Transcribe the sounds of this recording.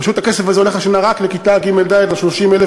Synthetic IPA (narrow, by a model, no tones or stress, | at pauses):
paʃut̪ake̞sefazeoneχaʃenaʁaklekit̪aɡimeld̪aevaʃloʃimele